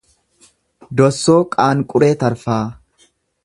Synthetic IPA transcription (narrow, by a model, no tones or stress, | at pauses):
d̪ɔsːoːkʼaːŋkʼʊɾeːt̪ɐɾfaː